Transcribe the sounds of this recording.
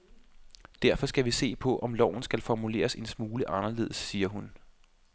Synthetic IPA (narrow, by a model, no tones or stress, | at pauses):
d̥æɐfɒ̽sɡ̥æʋise̝̰ːpʰɒ̽ʔɒ̽mlɒʊ̰n̩sɡ̥ælfɒmule̝̰ːɐse̝nsmuːləʔɑ̈nɐle̝̰ðˠəsːiːɐɦun